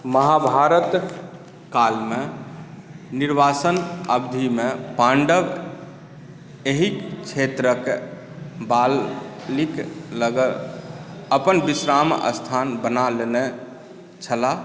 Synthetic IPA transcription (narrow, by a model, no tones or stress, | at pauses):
məɦabʱaɾət̪ | kalme | niɾbasənəbd̪ʱimepãɳɖəb | eɦikkt͡ʃʰet̪ɾək | ballikləɡə | əpənbisɾamə̰st̪ʰanbənalene | t͡ʃʰəla